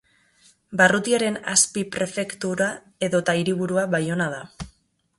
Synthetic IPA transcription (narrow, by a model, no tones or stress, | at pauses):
barut̪iaɾe̞na̰spipɾe̞fe̞kt̪uɾa | e̞ðo̞t̪aiɾiβ̞uɾuaβajo̞naða